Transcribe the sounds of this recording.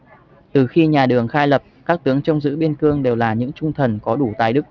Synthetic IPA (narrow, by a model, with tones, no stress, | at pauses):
t̪ɨ˨˩xi˧ɲaː˨˩ɗɨ˨˩əŋxaː˧jlə˨˩p̚kaː˦˥k̚t̪ɨ˨˦əŋt͡ɕə˧wŋ͡mzɨ̰˧˥ɓi˧ənkɨ˧əŋɗe˨˩wlaː˨˩ɲɨ̰˧˥ŋt͡ɕʊ˧ŋ͡mt̪ʰə˨˩nkɔ˨˦ɗu˧˩t̪aː˨˩jɗɨ˦˥k̚